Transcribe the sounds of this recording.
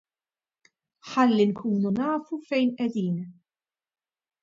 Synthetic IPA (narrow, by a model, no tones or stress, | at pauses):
ħɐlːinkʰuːnunɐːfufɛjnʔɛd̪iːn